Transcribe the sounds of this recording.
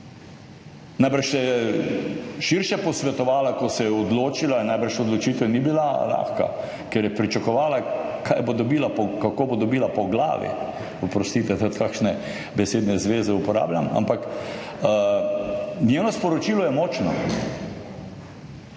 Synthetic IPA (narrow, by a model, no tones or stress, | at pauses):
najbɾʃsɛjɛ | ʃiɾʃɛpɔsʋɛt̪ɔʋaːlakɔsɛjɛɔd̪loːt͡ʃilanajbɾʃɔd̪lɔt͡ʃiːt̪ɛnibilala̰ːxka̰ | kɛɾjɛpɾit͡ʃakɔʋaːlakʰajbod̪ɔbiːlapɔkakoːbod̪ɔbiːlapɔɡla̰ːʋḭ | ɔpɾɔst̪iːt̪ɛt̪ot̪kakʃnɛ | bɛseːd̪nɛzʋeːzɛupɔɾa̰ːblʲjama̰mpak | nʲjeːnɔspɔɾɔt͡ʃiːlɔjɛmɔːt͡ʃnɔ